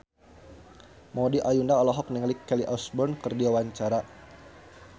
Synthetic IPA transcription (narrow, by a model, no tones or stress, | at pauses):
mɔdiʔajundaɔlɔɦɔk̚niŋlikːɛliʔɔsbɔnkɨrdiwawaɲt͡ʃaɾa